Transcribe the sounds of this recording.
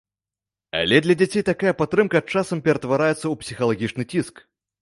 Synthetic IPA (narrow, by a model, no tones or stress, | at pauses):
ɐ̰lʲɛd̪lʲɐd͡zʲat͡sʲejt̪akajɐpat̪ːɾɨmkɐt͡ʂasɐmpʲɛɾɐt̪vaɾajɛt̪sːɐupsʲixɐlˠaɣʲit͡ʂnɨt͡sʲisk